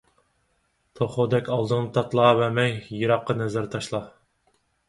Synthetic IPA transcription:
t̪ʰoχod̪ɛkʲɑlˠd̪ɨŋnɨt̪ʰɑt̪lˠɑvɛmɛŋjiɾɑqːɑnɛzæɾt̪ʰɑʃlˠɑ

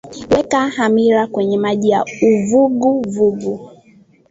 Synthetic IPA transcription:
wɛkahamiɾakwɛɲɛmaʄija̰uvuɡuvuɡu

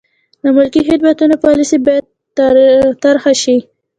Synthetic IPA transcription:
ləmʊlkiɦɪd̪̚bat̪unopɑlisibɑjad̪̚ | t̪aɾxaʃi

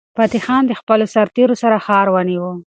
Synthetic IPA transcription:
fat̪ixɑnd̪əxpəlosaɾt̪eɾosaɾaxɑɾwəniwə

